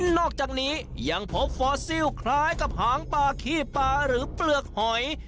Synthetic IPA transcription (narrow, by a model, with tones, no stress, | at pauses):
nːɔː˥˩k̚t͡ɕaː˨˩k̚niː˦˥ja˧ŋpʰo˦˥p̚fɔː˦˥si˥˩wkʰlaː˦˥jka˨˩p̚haː˨˩˦ŋpaː˧kʰiː˥˩pːaː˧ɾɯː˩˦plɯ˨˩ək̚hɔ˨˩˦j